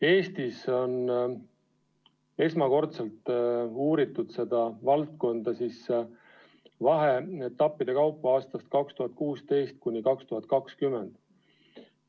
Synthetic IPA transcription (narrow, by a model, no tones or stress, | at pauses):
e̞ːst̪iso̞n | e̞smɑko̞rt̪selt̪ˑuːɾit̪ːud̪̥se̞d̪ɑvɑlt̪̚ko̞nd̪̥ɑsis | vɑɦe̞et̪ːˑɑpːid̪̥e̞kɑwpːˑɑɑːst̪ɑst̪̚kɑkst̪uɦɑt̪̚kuːst̪e̞jst̪̚kunʲːikɑkst̪uɦɑt̪̚ˑkɑkskymːend̪̥